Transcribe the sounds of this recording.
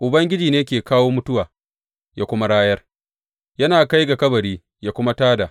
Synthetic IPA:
ʔʊ˨bɐ˦ŋɡʲɪ˦d͡ʒiː˨neː˦kʲeː˨kaː˦woː˦mʊ˦tʊ˦waː˨ | jaː˦kʷʊ˦ma˦ɽaː˦jɐ˦r | jɐ˦naː˨ka˦jɡa˨kɐ˦bɐ˨ɾiː˦ | jaː˦kʷʊ˦ma˦taː˦da˨

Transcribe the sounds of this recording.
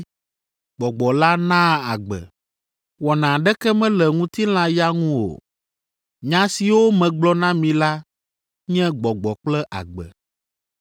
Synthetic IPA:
ɡ͡bɔ˨ɡ͡bɔ˨la˦nã˦a˨ɡ͡bɛ̰˨ | wɔ˨nã˨ɖɛ˦kɛ˦mɛ̃˦lɛ˨ŋũ˦t̪i˦l̃ã˦ja˦ŋũ˦wo̰˨ | ɲã˦si˨wo˦mɛ̃˨ɡ͡blɔ˦nã˦mĩ˨la˦ | ɲɛ̃˦ɡ͡bɔ˨ɡ͡bɔ˨k͡plɛ˦ʔa̰˨ɡ͡bɛ̰˨

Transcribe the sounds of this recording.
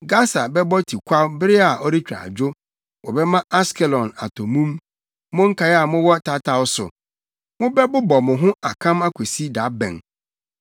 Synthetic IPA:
ɡa˦sa˨bɛ˦bɔ˦tʰi˨kʷʰa˦bɪ˦ɾɪ˦a˨ʔɔ˦ɾi˦t͡ɕᶣɾa̰˨d͡ʑo˦ | wɔ˨bɛ˦mã˦a˦skɛ˨lɔ̃˨na̰˨tʰɔ˨mũ˦m | mʊ̃˦ŋ̩˦kʰa˨˦ja˨mʊ̃˦wɔ˦tʰa˦tʰa˨ʊ˦sʊ̰˨ | mʊ̃˦bɛ˦bʊ˦bɔ˨mʊ̃˨ɦʊ̃˦a˨kʰã˦ma˦kʷʰe˨si˦da˨˦bɛ̰̃˨n

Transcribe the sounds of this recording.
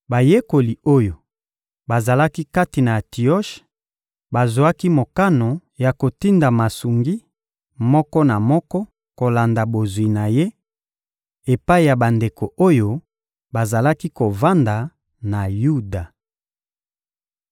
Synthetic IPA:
ba˨je˦ko˨li˨o˦jo˨ | ba˨za˨la˦ki˦ka˦ti˨na˨ti˨ɔ˦ʃ | ba˨zwa˦ki˦mo˨ka˦no˨ja˨ko˨ti˦nda˨ma˨su˨ŋɡi˦ | mɔ˦kɔ˦na˨mɔ˦kɔ˦ | ko˨la˨nda˨bo˨zwi˨na˨je˦ | e˨pa˦i˨ja˨ba˨nde˨ko˨ʔo˦jo˦ | ba˨za˨la˦ki˦ko˨va˦nda˨ | na˨ju˦da˨

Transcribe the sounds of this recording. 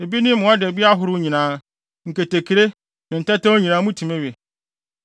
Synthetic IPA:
e˨bi˦nɪ̃˦m˦mʊ̃˨˦ɔ˦dɛ˨bi˦a˦ɦʊ˦ɾʊ˦ɲĩ˨nãː˨˦ | ŋ̩˨ke˨te˨kʰi˨ɾe˦ | nɪ̃˨n̩˨ta˦tã˦o˦ɲĩ˨nãː˨˦mũ˦tʰi˨mẽ˦ɥe˨

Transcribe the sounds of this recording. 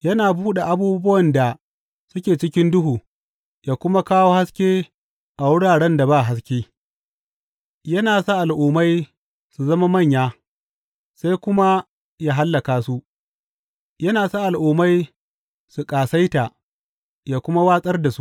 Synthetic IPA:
jɐ˦naː˨buː˦ɗa˨ʔa˨buː˦bʊ˦wɐ˨nda˨ | sʊ˦kʲeː˨t͡ʃɪ˦kʲɪ˦ndʊ˦ɦuː˨ | jaː˦kʷʊ˦ma˦kaː˦woː˦ha˦skʲeː˦ | ʔa˨wʊ˦ɽaː˨ɽɛ˦nda˨baː˦˨ɦa˦s̬kʲeː˦ | jɐ˦naː˨sa˦ʔa˨lʔuː˨ma˦j | su˨zɐ˦ma˦mɐ˦˨ɲjaː˦ | sa˦jkʷʊ˦ma˦ | jaː˦ɦa˦lːɐ˨kaː˨su˦ʔ | jɐ˦naː˨sa˦ʔa˨lʔuː˨ma˦j | su˨kʼaː˨sa˦jta˨ | jaː˦kʷʊ˦ma˦waː˦sʼɐ˦rda˨su˦

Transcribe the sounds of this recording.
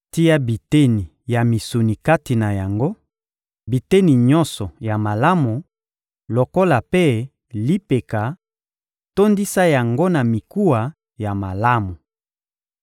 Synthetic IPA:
ti˦ja˦bi˨te˦ni˨ | ja˨mi˨su˨ni˨ka˦ti˨na˨ja˨ŋɡo˦ | bi˨te˦ni˨ɲɔ̃˦nsɔ˨ja˨ma˨la˦mu˨ | lo˨ko˦la˨pe˦ | li˦pe˨ka˨ | to˦ndi˦sa˦ja˨ŋɡo˦na˨mi˨ku˦wa˨ | ja˨ma˨la˦mu˨

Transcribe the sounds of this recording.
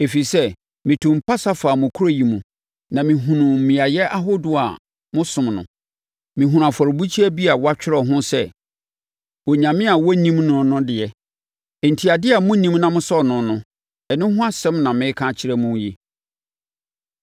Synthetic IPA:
e˨fi˨sɛ˦ | mĩ˨tʰʊ̃˨m̩˨pʰa˦sa˦faː˨mʊ̃˨kʰu˦ɾo˦˨ji˨mũ˨ | nã˨mĩ˨ɦũ˨nʊ̃˨mĩ˨a˨jɛ˦ʔa˦ɦo˦dʊ˦a̰˨ | mʊ̃˦sʊ̃˨mnʊ̰̃˨ | mĩ˨ɦũ˨ã˨fɔ˨ɾbu˦t͡ɕʰi˦æ˦bi˦a˨wa˦t͡ɕᶣɪ˦ɾɔ˨ɦʊ̃˦sɛ˦ | wɔ˨ɲã˨mɪ̃˦a˨wɔ˦nĩ˦mnʊ̃˨nʊ̃˦dɪ˨ɛ˨ | n̩˨tʰi˨a˨dɪ˦a˨mʊ̃˦nĩ˦mnã˦mʊ̃˦sɔ˦nʊ̃˨nʊ̃˦ | ɛ˨nɪ̃˦ɦʊ̃˦a˦sɛ̃˦mnã˨mɪ̃˦kʰã˦t͡ɕʰɪ˦ɾɛ˦mũ˦ji˦

